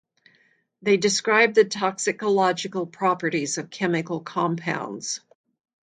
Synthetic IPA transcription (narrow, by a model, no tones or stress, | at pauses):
ðeɪdɨskɹaɪb̚ðɨtʰɑksɨkəlɑd͡ʒɨkl̩ˠpʰɹ̥ɑpə˞ɾizʌv̥kʰɛmɨkl̩ˠkʰɑ̃mpʰã̰ʊ̃ndz̥